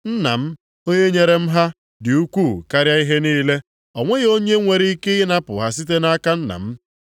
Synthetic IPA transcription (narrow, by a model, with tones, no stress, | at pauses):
n̩˦na̰˨m̩˦ | o˦ɲe˦ɲe˦ɾe˦m̩˦ɦa˦ | dɪ˨u˦kʷu˦˨ka˦ɾja˦i˦ɦe˦niː˦le˦ | ɔ˨ŋʷe˦ɣo˦ɲe˦ŋʷe˨ɾi˦i˦ke˦i˦na˦pʊ̰˨ɦa˨si˦t̬e˦na˦ka˦n̩˦na̰˨m̩˦